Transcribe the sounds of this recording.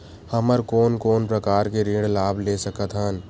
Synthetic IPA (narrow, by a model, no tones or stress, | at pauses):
həməɾkoːnkoːnpɾəkaːɾkeɾeːɽlaːblesəkət̪ɦən